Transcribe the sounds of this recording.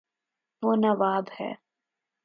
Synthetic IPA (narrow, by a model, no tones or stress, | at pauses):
ʋoːnɐʋaːd̪hɛ̰ː